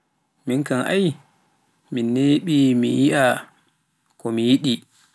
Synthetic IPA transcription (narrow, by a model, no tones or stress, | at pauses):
miŋkaŋʔa̰j | minːeɓimḭjiʔa | kɔmijiɗi